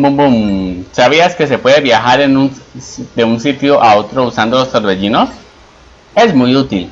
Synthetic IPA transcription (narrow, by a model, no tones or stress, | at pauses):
bumbumsaβ̞iaske̞se̞pwe̞ðeβjaxaɾenund̪e̞unsit̪joʔao̞t̪ɾousand̪oloseɾβeʝino̞s | e̞zmujut̪il